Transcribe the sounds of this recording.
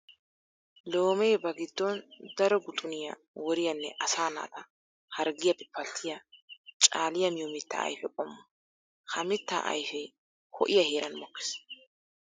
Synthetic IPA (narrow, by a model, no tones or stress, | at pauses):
loːmɛjbɐɡɪd̪ːɔnd̪ɐɾɔɡʊt̪ʼʊnɪjɐ̰ | wɔɾɪjɐnːɛʔɐsaːna̰ːt̪ɐ | hɐɾɡɪjɐpɪpːɐlt̪ʰːɪjɐt͡ʃʼaːlɪjɐmɪjoːmɪt̪ːɐ̰ɐ̰jfɛkʼɔmːʊ | hʰɐmɪt̪ːa̰ːʔɐ̰jfɛj | kʰɔ̰ʔɪjɐheːɾʔɐnmɔkːɪ̥s